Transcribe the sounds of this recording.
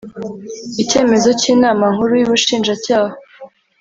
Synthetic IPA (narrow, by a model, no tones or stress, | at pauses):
ice̞ːme̞zo̞ciːnaːmaŋhuɾujiβuʃiːnʒacaːha